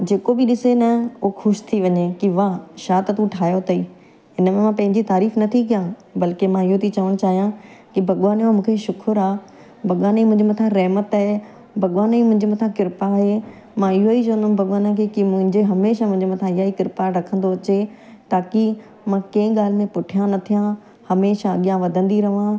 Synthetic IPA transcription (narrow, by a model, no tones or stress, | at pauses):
d͡ʑeːkobɪɗɪsenɐuxʊʃt̪ʰiʋɐɲekiʋaʃaːt̪ət̪ũʈʰaːjot̪ɐiː | ɪnəmẽmãpɐ̃ɦɪ̃ɲd͡ʑit̪aːɾiːfnɐt̪ʰikijã | bɐlkemãɪɦot̪ʰit͡ɕɐʋəɽ̃t͡ɕaːɦijãkibʱɐɠʋaːnomũːkʰeʃʊkʰʊɾaː | bʱɐɠʋaːnimʊ̃ɦɪ̃ɲd͡ʑemɐt̪ʰãɾɐɦmət̪aːɦe | bʱɐɠʋaːnimʊ̃ɦɪ̃ɲd͡ʑemɐt̪ʰãkɪɾpaɦe | mãɪɦoit͡ɕɐʋə̃nd̪ʊmbʱɐɠwaːnãkekimʊ̃ɦɪ̃ɲd͡ʑeɦɐmeːʃamʊ̃ɦɪ̃d͡ʑemɐt̪ʰãɪɦaːikɪɾpaɾɐkʰə̃nd̪oɐt͡ɕe | t̪aːki | mãːkẽːɠaːl̤ɪmẽpʊʈʰijãnɐt̪ʰijã | hɐmeːʃaɐɠijãʋɐd̪ʱə̃nd̪iɾɐʋã